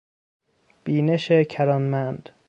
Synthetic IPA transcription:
b̥iːneʃecʰæɾɒnmænd̪̥

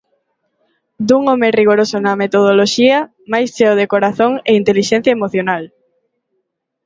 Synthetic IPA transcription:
d̪uŋomeriɣoɾosonɐmet̪oð̞oloʃiɐ | majst͡ʃeoðekoɾaθoŋeint̪eliʃɛn̟θjɐemoθjonal

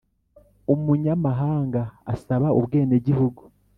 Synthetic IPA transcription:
omuɲamaɦaːŋɡaːsaβaoβɡe̞ːneɟihuɡu

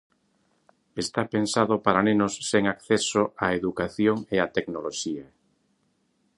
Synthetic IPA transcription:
est̪apensaðopaɾanenosːeŋakθesoaeðukaθjoŋeat̪eknoloʃiɐ

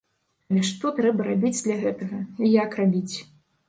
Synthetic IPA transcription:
lʲɛʂt̪ɔt̪ɾɛbɐɾabʲid͡zʲd̪lʲaɣɛt̪ɐɣɐijakrabʲit͡sʲ

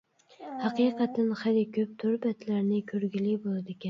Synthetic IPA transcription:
hɑqijqɑt̪ʰːɪnχalɪkʲʰøp̚t̪ʰʊɾbɛt̪ʰlæɾnɪkʲʰøɾɡʲilɪbolˠɨd̪ɪkʲʰɛn

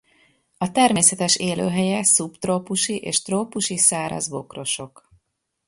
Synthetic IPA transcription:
ɒt̪ɛrmeːsɛt̪ɛʃeːlø̰ːɦɛjɛsupt̪roːpuʃiʔeːʃt̪roːpuʃisaːɾɒ̰zbo̞̰kro̞ʃo̞k

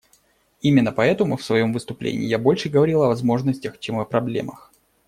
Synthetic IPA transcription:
imʲɪnːəpɐɛt̪əmʊfsvɐjo̞mvɨst̪ʊplʲḛnʲɪ̰ːjabo̞lʲʂɨɡəvɐɾʲilˠɐvɐzmo̞ʐnəsʲtʲəxt͡ɕemɐpɾɐblʲe̞̰məx

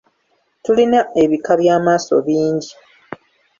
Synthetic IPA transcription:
tulinae̞βikaβjaːmaːso̞̰βiːɲɟi

